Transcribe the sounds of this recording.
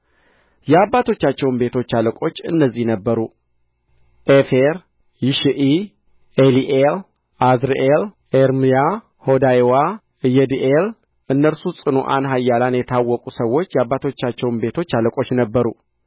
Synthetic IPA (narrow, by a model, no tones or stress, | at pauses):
jɛabːat̪ʰo̞t͡ʃːat͡ʃːɛwnbe̞t̪ʰo̞t͡ʃːaləkʼo̞t͡ʃːɨ̰nːəzːihnəbːəɾu | ʔefeɾ | jiʃʔi | eliʔel | ʔazɾeʔelʔeɾmija | ho̞d̪ajwa | ɨjɛd̪iʔel | ʔɨnːəɾsusʼɨnuʔa̰nɦajːalanjɛt̪ʰawːɔkʼusəwːo̞t͡ʃːjabːat̪ʰo̞t͡ʃːat͡ʃːɛwnbe̞t̪ʰo̞t͡ʃːaləkʼo̞t͡ʃːnəbːəɾu